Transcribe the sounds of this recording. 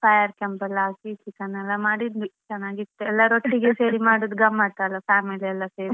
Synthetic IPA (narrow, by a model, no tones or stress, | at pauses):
pʰɐjɐɾkɛmpɐlːasisikɐnɛlːɐmaːɽid̪it͡ʃɛnːaːɡit̪ːuɛlːɐɾoʈːiɡeseːɾimaːɽud̪uɡɐmːaːɽt̪aːlɐpʰaːmiliɛlːɐseːɾi